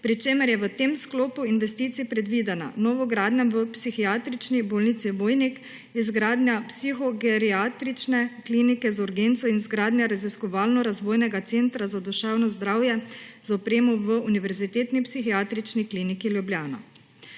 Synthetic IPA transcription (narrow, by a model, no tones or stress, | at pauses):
pɾit͡ʃeːmɛɾjɛʋət̪emskloːpuinʋɛst̪iːt̪sipɾɛd̪ʋiːd̪ɛna̰nɔːʋɔɡɾaːd̪nɛmʋəpsixiaːt̪ɾit͡ʃniboːlnit̪siʋoːjnik | izɡɾaːd̪nʲjapsixɔɡɛɾiat̪ɾit͡ʃnɛkliːnikɛzuɾɡent̪sɔinzɡɾaːd̪njaɾaziskɔʋaːlnɔɾazʋoːjnɛɡat̪sent̪ɾazad̪ɔʃawnɔzd̪ɾaːwjɛzaɔpɾeːmɔʋəuniʋɛɾzit̪eːt̪nipsixiaːt̪ɾit͡ʃnikliːnikiljubljaːna̰